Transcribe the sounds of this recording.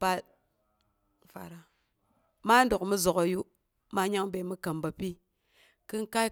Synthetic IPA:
pa˦t̚ | fa̰˨ɾa˨ | ma˦n˦do˨kmu˦zo˨ko˨ju˦ | ma˦ɲa˦ŋbe˨mi˦ka˨mba˨pi˦ | ki˦nka˦

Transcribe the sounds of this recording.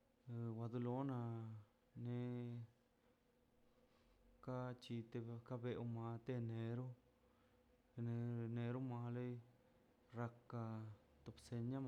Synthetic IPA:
wa˧d̪u˧lo˦na˧ | ne˧ | ka˦t͡ʃi˧t̪e˧ka˦be˧ʔu˧ma˧t̪e˦˧ne˨˧ɾu˦˧ | ne˧ne˧ɾu˦ma˧le˦j | ɾa˧kːa˧ | t̪o˧pse˧ɲa˦m˧

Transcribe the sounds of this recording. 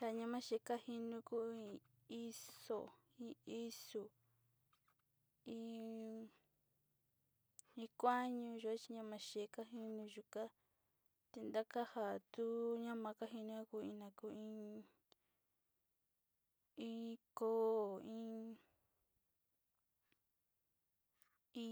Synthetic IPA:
ha˨ɲã˧mã˦ʃe˧ka˦hi˧nũ˧˦ku˦ĩ˧ | i˦so̰˨ | ĩ˧i˦su˨ | ĩ˧˦ | ĩ˧kʷa˦ɲũ˧ʒu˧a˦t͡ʃi˧ɲã˧mã˧ʃe˨ka˦ɦi˧nũ˧ʒu˧ka˦ | t̪e˧nd̪a˦ka˦ha˨t̪u˦ɲã˦mã˧ka˦ɦi˧nĩ˧˦ã˦ku˧˨ĩ˧nã˨˧ku˧˦ĩ˧˦ | ĩ˧ko˦˨ĩ˦ | ĩ˧

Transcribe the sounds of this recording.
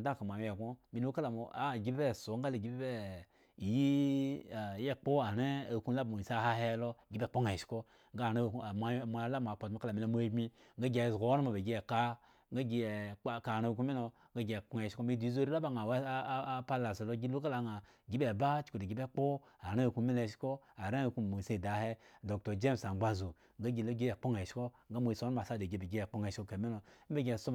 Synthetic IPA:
da˦˨ka˨mʷ˨a˨jje˨ɡo˦mi˨˧lu˦ka˦la˨mo˨a˨˦˨ɡi˦bbe˦˨so˨˦ŋ˦ɡa˦le˨ɡi˦bbe˦˨ | ji˦˨ | je˦k͡po˦a˨ɾe˦a˨ku˦la˦ba˨mo˨i˨sa˦˨ha˧ɦe˦lo˧ɡi˦be˦˨k͡po˦ŋa˨i˨ʃi̥˦ko˦ | ŋ˦a˦˨ɾe˦˨˦ma˨˦˨mʷ˧a˦la˦m˨a˨k͡po˨tmo˦ka˦la˨mi˧lo˧˦mʷ˦e˦ɡ͡bi˧ŋɡa˦ɡʲe˨zɡo˨˦wna˦mo˨be˨ɡʲi˦e˨ka˦ | ŋɡa˦ɡi˧e˨˦ka˨ɾa˦˧ku˦mi˦o˧ | ŋɡa˦ɡʲe˨k͡po˦ŋe˨ʃi̥˦o˦me˦di˨˦zo˦ɾi˦la˦ba˦ŋa˨wpa˦la˨sa˨lo˦ɡi˦lu˦ka˦la˨ŋa˨ | ɡʲi˦be˦˨ba˦t͡ʃu̥˨ku˨de˨ɡʲi˨be˦k͡po˦ | a˨ɾa˦wi˨ku˦me˦le˨ʃi̥˦ko˦ | a˨ɾa˦˨ku˦mo˨se˦˨da˨he˦do˨k̚to˨d͡ʒe˦msa˨ɡ͡ba˦zo˨ | ŋɡa˦ɡʲi˨lo˦ɡi˦e˨k͡po˦ŋe˨ʃi̥˦ko˦ŋɡa˦mo˦i˨so˦ma˨sa˦de˨ɡe˨be˨ɡe˦e˨k͡po˦ŋe˨ʃi̥˦ko˦ke˨me˦no˨˦m̩˦be˨ɡʲe˨so˦˨

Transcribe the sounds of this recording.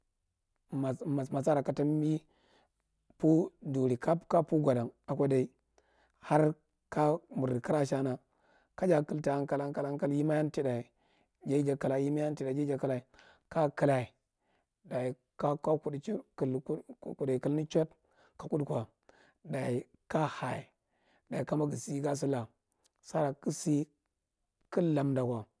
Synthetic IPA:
ma˨ma˨sma˨sa˦ɾa˨ka˨ta˦m˦bi˦ | pu˦du˨ɾi˨ka˦ka˦pu˦ɡʷa˨da˨ŋa˨kʷa˦da˨i˦ | ha˦ɾ | ka˦mu˨ɾka˦ɾa˦ʃa˦na˨ | ka˦d͡ʒa˨kɨ˦lta˨ja˦nka˦la˦nka˦la˦nka˦lji˦ma˦ja˦nti˦da˨i˨ | d͡ʒa˦d͡ʒa˨ka˨la˨˦ji˦ma˦ja˦n˦ti˦da˨d͡ʒe˦d͡ʒa˨ka˦la˨i˨ | ka˦kə˦la˨i˨ | da˨i˨ | ka˦ka˦ku˨dku˨lku˨da˨kə˨lni˦t͡ʃo˦t | ka˨ku˦dkʷa˨ | da˨i˨ | ka˦ha˨i˨ | da˨i˨ka˦ma˦ɡi˨si˦ɡa˦s̬u˦la˨ | sa˦ɾa˨ki˦si˦ | kə˦lːa˨mda˨kʷa˨

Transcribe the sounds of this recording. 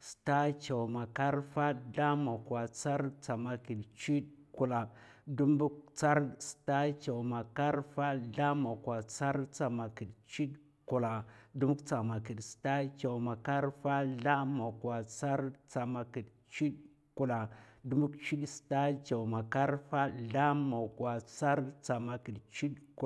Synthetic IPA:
sta˦t͡ʃa˨wma˨ka˦ɾfa˦ɮa˦ma˨kwa˨t͡sa˦ɾt͡sa˨ma˨ki˨dt͡ʃi˦tku˨la˨du˦m˦bu˦kt͡sa˦ɾsta˦t͡ʃa˨wma˨ka˦ɾfa˦ɮa˦ma˨kwa˨t͡sa˦ɾt͡sa˨ma˨ki˨dt͡ʃi˦ɗ | ku˨la˨du˦mu˦kt͡sa˨ma˨ki˨dsta˦t͡ʃa˨wma˨ka˦ɾfa˦ɮa˦ma˨kwa˨t͡sa˦ɾt͡sa˨ma˨ki˨d | t͡ʃi˦d | ku˨la˨du˦mu˦kt͡ʃi˦ɗsta˦t͡ʃa˨wma˨ka˦ɾfa˦ɮa˦ma˨kwa˨t͡sa˦ɾt͡sa˨ma˨ki˨dt͡ʃi˦ɗku˨

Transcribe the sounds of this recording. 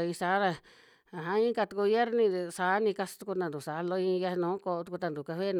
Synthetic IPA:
ĩ˧sa˨˦na˧ | a˨ɦã˦ĩ˦ka˧t̪u˧ku˧βje˦ɾnĩ˧sa˨˦nĩ˧ka˧st̪u˧ku˧nã˧nd̪u˨sa˨˦˧lo˧ĩ˧ja˧nũː˨˦ko˧t̪u˧ku˧t̪a˧nd̪u˨ka˧βe˦n

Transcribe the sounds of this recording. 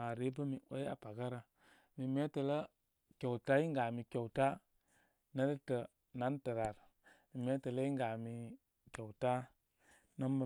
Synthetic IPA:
a˨ɾe˦bə˦mi˨ʔo˦ja̰˨pa˨ɡa˦ɾa˨ | mi˨me˦tə˨lə˦ | ke˨wta˦i˦ŋɡa˨mi˨kʲe˨wta˦ | nə˦ɾə˦tə˨ | na˦ntə˨ɾa˨ɾ | mi˨me˦tə˨lə˦i˦ŋɡa˨mi˨ | ke˨wta˦ | nə˦mbə˨

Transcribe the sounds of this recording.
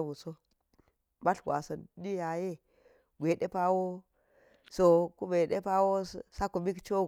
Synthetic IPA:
mu˨so˦ | ma˦ɬɡʷwa̰˨sɐ˨ndi˦ja˨je˦ | ɡʷe˨ɗe˦pa˦wo˦ | so˨ku˦me˨ɗe˦pa˦wo˦sa˦ku˨mi˦kt͡ʃo˦

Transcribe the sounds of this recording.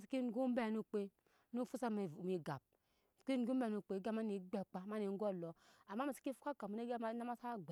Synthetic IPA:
si˨˦ki˦n̩˨ɡu˦m̩˦bɛ˦˨nu˨k͡pe˦ | nu˦fu˦sa˦˨m˨mi˨ɡa̰˨p̚ | ki˦n̩˦ɡu˦be˨nu˨k͡pe˨˦ɡa˦ma˦ni˨ɡ͡be˨k͡pa˨ma˦ni˨ŋ˦ɡo˦˨lo˨a˨mːa˦a˨si̥˦ki˦fu˦a˦ka˨mu˨˦e˦ɡna˦ma˦sa˦ɡ͡b

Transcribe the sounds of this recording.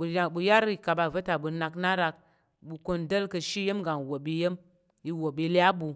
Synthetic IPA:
bu˧a˦bu˧ja˦ɾi˦˨ka˨ba˨və˦ta˨bu˧na˧kna˦ɾa˧k̚ | bu˧ko˧ndə˦lkə˧ʃi˦je˦mɡa˨ŋ˨wo˨bi˧je˦m | i˧wo˨bi˧lja˦bu˧

